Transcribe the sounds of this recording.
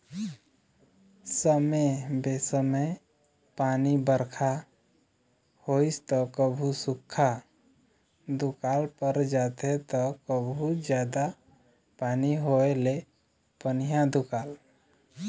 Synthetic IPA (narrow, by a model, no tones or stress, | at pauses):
səmebesəməj | panibəɾkʰa | hoist̪ɔkəbʱusukʰːa | d̪ukalpəɾd͡ʒat̪et̪ɔkəbʱud͡ʒjad̪a | paniɦoele | pənijad̪ukaːl